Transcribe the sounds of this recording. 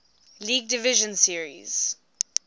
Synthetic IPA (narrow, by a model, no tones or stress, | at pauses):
liːɡ̚dɪvɪʒə̃nsiəɹḭz̥